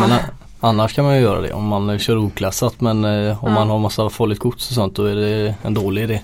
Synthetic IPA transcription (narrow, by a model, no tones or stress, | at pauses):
mɛna | anːaʂkʰanmanjʏjœːɾa̰d̪ɛ̰ʔɔ̰mːanɕœːɾuːkʰlasːat̪mɛnɔmːanɦaɾmasːafɔːlɪt̪kʰʊt̪sɔs̬ɔnt̪̚d̪ɔæɖɛɛnd̪oːlɪɪd̪eː